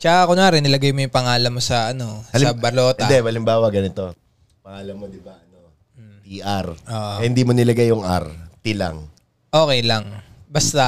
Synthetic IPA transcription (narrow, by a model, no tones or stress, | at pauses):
t͡ʃɐkakʊŋaːɾɛnɪlɐɡajmojʊŋpɐŋaːlɐmːo̞sɐʔɐno̞sɐbɐlo̞ːt̪ɛɐd̪ɛmɐlɪmbaːwɐɡɐnɪt̪o̞ | pɐŋaːlɐmːod̪ɪbaʔɐno | t̪iʔɐɾʔoːʔohɪnd̪iːmonɪlɐɡajʊŋʔɐ̰ɾt̪ɪlɐ̰ŋ | ʔoːkɛjlɐŋbɐst̪ɐ